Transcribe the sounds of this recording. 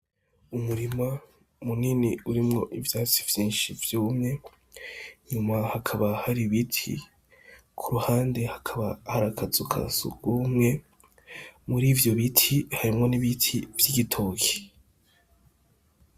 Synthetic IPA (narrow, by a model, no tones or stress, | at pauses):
umuɾima | muniniuɾimŋo̞ʔivjaːt͡sivjĩːnʃivjuːmɲe̞ | ɲumahakʰaβahaɾiβitʰḭ | kʰuɾuhaːnde̞hakʰaβahaɾakʰazukʰa̰sṵɡ̥umŋe̞ | muɾiːvjo̞βitʰihaɾimŋo̞niβitʰivjiɡitʰo̞ːkʰe̥